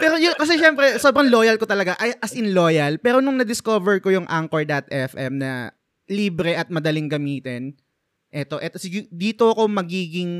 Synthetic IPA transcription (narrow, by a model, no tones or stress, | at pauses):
pɛːɾojʊkɐs̬ɛʃɛmpɾɛsobɾɐŋlo̞ːjɐlkot̪ɐlɐɡaʔɐjʔɐsʔɪnlo̞ːjɐlpɛːɾo̞nʊŋnɐd̪ɪskoːvɛɹkojʊŋʔa̰ŋkoɹd̪ɐt̪̚ɛfʔɛmnɐ̰ | liːbɾɛʔɐt̪̚mɐd̪ɐlɪŋɡɐmiːt̪ɛn | ʔɛt̪o̞ʔɛt̪osɪd̪iːt̪o̞ɐko̞mɐɡiːɡɪŋ